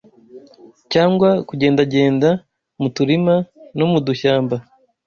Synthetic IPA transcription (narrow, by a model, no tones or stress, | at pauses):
caːŋɡwakuɟeːndaɟe̞ːnda | mutuɾimanomuduçaːmba